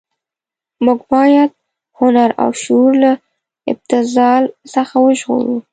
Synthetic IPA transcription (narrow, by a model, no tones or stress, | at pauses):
muɡbɑjad̪̚ | hʊnaɾa̰wʃuɾla | ɪb̚t̪ɪzɑlsəxawəʒɣo̰ɾu